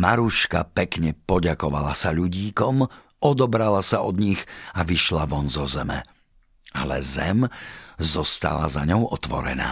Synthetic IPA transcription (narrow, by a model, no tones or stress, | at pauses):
maɾuʃkapɛkɲɛpɔɟakɔʋalasaʎuɟiːkɔm | ɔd̪ɔbɾalasaʔɔd̪ɲiɣaʋiʃlaʋɔnzɔzɛmɛ̰ | alɛzɛmzɔst̪a̰lazaɲɔʊɔt̪ʋɔ̰ɾɛ̰na̰ː